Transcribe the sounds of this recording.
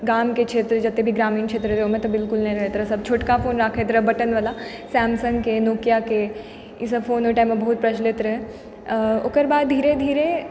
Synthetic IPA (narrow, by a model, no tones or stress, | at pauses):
ɡaːmkekʃʰeːt̪ɾəd͡ʒɐt̪ːebʱiɡɾaːmiːnkʃʰeːt̪ɾəɾeɦoːmẽt̪ɔbɪlkʊlnɐɦĩɾɐɦet̪ɾəsɐb̚t͡ʃʰoːʈkafoːnɾaːkʰet̪ɾəɦbɐʈənʋəːla | sɛːmsə̃ŋɡkenoːkjake | ɪsəfoːnɦoʈaːmːẽbɐɦut̪̚pɾɐʃleːt̪ɾə | o̰ːkəɾbaːd̪̚d̪ʱiːɾed̪ʱiːɾe